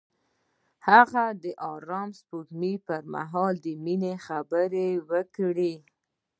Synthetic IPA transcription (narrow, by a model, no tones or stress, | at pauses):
haɣad̪əʔɑɾɑmspuɡmipəɾma̰ɦɑld̪əminexabəɾewəkɽi